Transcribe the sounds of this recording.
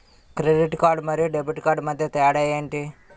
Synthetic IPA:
kɾeɖiʈkaːɾɖmɐɾijuɖebʱiʈkaːɾɖmɐd̪ʱjɐt̪ɛjɐɽɐjeːɳʈi

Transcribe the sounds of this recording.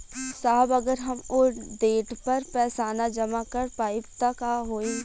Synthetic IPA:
saːbɐɡəɾɦɐmoɖeːʈpɐɾpɛːsaːnad͡ʒɐmakɐɾpaːɪpt̪akaɦoːi

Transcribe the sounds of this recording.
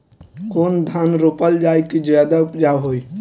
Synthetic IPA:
kond̪ʱanɾopəld͡ʒajkid͡ʒjad̪apd͡ʒaɦoj

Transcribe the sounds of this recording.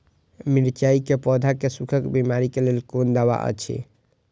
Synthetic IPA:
miɾt͡ʃaikepɔd̪ʱakesukʰəkbimaɾikelelkond̪aβa̰ʔə̰t͡ʃʰḭ

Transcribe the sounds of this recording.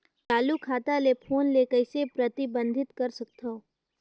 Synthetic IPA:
t͡ʃaːlukʰaːt̪alepʰoːnlekəɪsepɾət̪ɪbə̃nd̪ʱɪt̪kɐɾsək̚t̪ʰo

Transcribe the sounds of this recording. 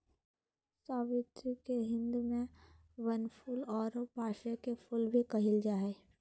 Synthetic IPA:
saːʋɪt̪keɦɪ̃nd̪mẽ | ʋənpʰʊlɔːɾbʱaːʃekepʰʊlbʱikɐɦɪld͡ʒaːɦeː

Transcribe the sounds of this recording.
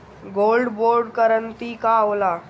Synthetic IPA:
ɡoːlɖboːɾɖkəɾənt̪ikaoːlaː

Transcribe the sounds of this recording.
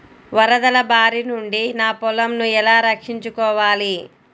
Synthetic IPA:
ʋɐɾɐd̪ɐlɐbaːɾinuɳɖinaːpɔlɐmnuɛlaːɾɐkʂiɲt͡ʃukɔːʋaːli

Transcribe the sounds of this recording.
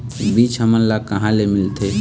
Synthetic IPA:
biːt͡ʃɦəmənlakəɦãlemɪlt̪ʰe

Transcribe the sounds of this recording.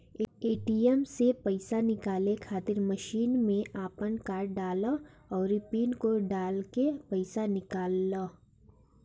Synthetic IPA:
eeːʈiɛmsepəɪsanɪkaːlekʰaːt̪ɪɾməʃiːnmẽʔaːpənkaːɾɖaːla | ɔːɾɪpiːnkoɖaːlkepəɪsanɪkaːlːaː

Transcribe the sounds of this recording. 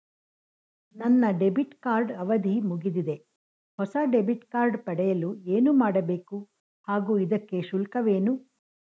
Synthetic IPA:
nɐnːɐɖe̞biʈkaːɾɖɐʋɐd̪ʱimuɡid̪id̪e̞ | hɔsɐɖebiʈkaːɾɖpɐɽɛjɐlueːnumaːɽɐbe̞ːku | haːɡuːid̪ɐkːe̞ʃulkɐʋeːnu

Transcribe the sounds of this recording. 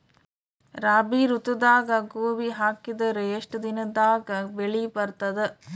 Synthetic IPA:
ɾaːbiɾut̪ud̪aːɡɐɡoːʋiɦaːkid̪ɐɾeeʂʈud̪inɐd̪aːɡɐbeɭibɐɾt̪ɐd̪e

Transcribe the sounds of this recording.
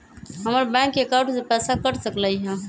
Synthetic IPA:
ɦəməɾbɛ̃kːekaɾʈsepɛsakəʈsəkləjɦɛ̃

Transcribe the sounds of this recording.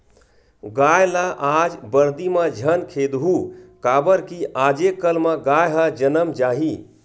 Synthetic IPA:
ɡajlaʔad͡ʒbəɾd̪imed͡ʒʱənkʰed̪ɦukabəɾkiʔad͡ʒekːəlmeɡajɦəd͡ʒənəmd͡ʒaːɦi

